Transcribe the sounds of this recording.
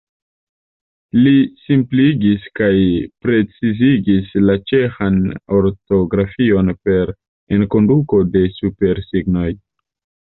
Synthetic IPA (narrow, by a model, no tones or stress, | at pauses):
lisimpliɡiskajpɾe̞t͡siziɡislat͡ʃe̞xano̞ɾto̞ɡɾafio̞npe̞ɾ | enko̞nduko̞de̞supe̞ɾsiɡno̞j